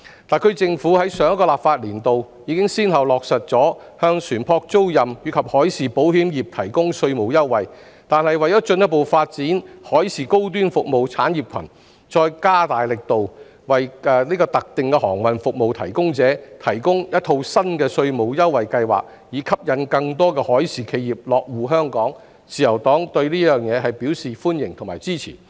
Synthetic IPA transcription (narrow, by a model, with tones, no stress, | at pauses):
t̪aː˨nkʰɵ˨˧ɥt͡sɪ˧ŋfuː˨˥hɐ˨˥jsœː˨˧˥ŋkɔː˧laː˨p̚faː˧t̚liː˨˩nt̪o˨w | jiː˨˧˥kɪ˥ŋsiː˥nhɐ˨wlɔː˨k̚sɐ˨t̚t͡sɔː˨˥ | hœː˧ŋsʰyː˨˩npʰɔː˧k̚t͡so˥wjɐ˨mjyː˨˧kʰɐ˨p̚hɔː˨˥jsiː˨po˨˥whiː˨˥mjiː˨p̚t̪ʰɐ˨˩jkʊ˥ŋsɵ˧ɥmo˨˩wjɐ˥wːɐ˨˩j | t̪aː˨nhɐ˨jwɐ˨˩jɔː˨˥t͡ʃɵ˧njɐ˥po˨wfaː˧t̚t͡siː˨˥nhɔː˨˥jsiː˨ko˥wt̪̬yː˥nfʊ˨k̚mo˨wt͡sʰaː˨˥njiː˨p̚kʷʰɐ̰˨˩n | t͡sɔː˧jkaː˥t̪aː˨jlɪ˨k̚t̪o˨w | wɐ˨jɛ˨˧liː˥kɔː˧t̪ɐ˨k̚t̪ɪ˨˩ŋkɛ˧hɔː˨˩ŋwɐ˨nfʊ˨k̚mo˨wt̪ʰɐ̰˨˩jkʊ˥ŋt͡sɛː˨˥t̪ʰɐ˨˩jkʊ˥ŋjɐ˥t̪̚ʰo˧wsɐ˥nkɛː˧sɵ˧ɥmo˨wjɐ˥wɐ˨jkɐ˧jwa̰ː˨˩k̚ | jiː˨˧˥kʰɐ˥p̚jɐ˨˥nkɐ˧ŋt̪ɔː˥kɛː˧hɔː˨˥jsiː˨˩kʰe˧jiː˨p̚lɔː˨k̚wuː˨˩ɦœː˥ŋkɔː˨˥ŋ | t͡siː˨jɐ˨˩wt̪ɔː˨˥ŋt̪ɵ˧ɥliː˥jœː˨˩ŋjɛː˨˧ɦɐ˨jpiː˨˥wsiː˨fuː˥njɪ̰˨˩ŋt̪ʰʊ˨˩ŋmaː˨˩jt͡siː˥t͡sʰḭː˨˩